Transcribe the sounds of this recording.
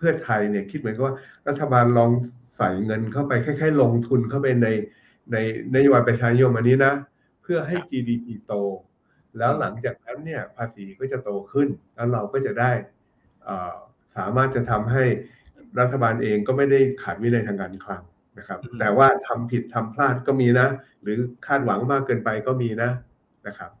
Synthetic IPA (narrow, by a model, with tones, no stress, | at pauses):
pʰɯ˥˩ɐt̪ʰa˧jni˥˩ɐkʰi˦˥t̪̚mɯ˩˦nk̚waː˥˩ɾa˦˥t̪ʰːa˧baː˧nlɔː˧ŋ | sa˨˩jŋɤ˧nkʰa˥˩wpa˧jkʰa˥˩jkʰaː˥˩jlo˧ŋt̪ʰu˧nkʰa˥˩wpa˧jna˧j | na˧jna˦˥joː˧ba˧jpɾa˧t͡ɕʰaː˧ni˦˥jo˧mʔa˧niː˦˥na˦˥ | pʰɯ˥˩ɐɦa˥˩jt͡ɕiː˧diː˧pʰiː˧t̪oː˧ | lɛː˦˥wla˩˦ŋt͡ɕaː˨˩k̚nɛː˧˦˥wni˥˩ɐpʰaː˧siː˩˦kɔː˥˩t͡ɕa˨˩t̪oː˧kʰɯ˥˩nlɛː˦˥wɾa˧wkɔː˥˩t͡ɕa˨˩daː˥˩j | ʔəː˨˩ | saː˩˦maː˥˩t̪̚t͡ɕa˨˩t̪ʰa˧mɦa˥˩j | ɾa˦˥t̪ʰːa˧baː˧nʔeː˧ŋkɔː˥˩ma˥˩jda˥˩jkʰaː˨˩t̪̚wi˦˥na˧jt̪ʰaː˧ŋkaː˧nkʰla˦˥ŋ | na˦˥kʰa˦˥p̚t̪ɛː˨˩waː˥˩t̪ʰa˧mpʰi˨˩t̪ʰːa˧mpʰlaː˥˩t̪̚kɔː˥˩miː˧na˦˥ | ɾɯː˩˦kʰaː˥˩t̪̚wa˩˦ŋmaː˥˩kːɤː˧npa˧jkɔː˥˩miː˧na˦˥ | na˦˥kʰa˦˥p̚